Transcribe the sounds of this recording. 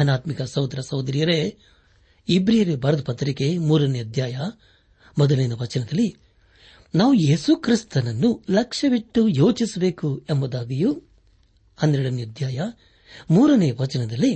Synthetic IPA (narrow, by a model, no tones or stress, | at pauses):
ɐnaːt̪mikɐsɐwd̪ɾɐsɐwd̪ɐɾijɐɾe | ibɾijɐɾebʱɐɾɐd̪pɐt̪ɾikemuːɾɐnejɐd̪jaːjɐ | mɔd̪ɐlɐjnɐʋɐt͡ʃɐnɐd̪ɐlːi | naːʋue̞ːsukɾist̪ɐnɐnːulɐkʂɐʋiʈːujoːt͡ʃisɐbe̞ːkuembɐd̪aːɡɐju | hɐnd̪ɾɛɽɐnjɐɐd̪jaːjɐ | muːɾɐnɛjɐʋɐt͡ʃɐnɐd̪ɐlːi